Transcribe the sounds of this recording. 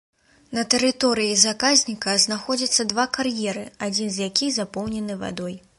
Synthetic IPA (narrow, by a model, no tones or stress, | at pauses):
nɐt̪ɛɾɨt̪ɔɾɨjizakazʲnʲikɐznaxɔd͡zʲɐt̪sːɐd̪vakarjɛɾɨad͡zʲinzʲjakʲixzapɔwnʲɛnɨva̰d̪ɔj